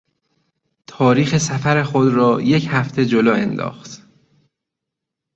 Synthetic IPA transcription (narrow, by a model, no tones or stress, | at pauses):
t̪ʰɒːɾiːxe̞sæfæɾe̞xod̪ɾɒːjechæft̪ʰe̞d͡ʒolɒːend̪ɒ̰ːxt̪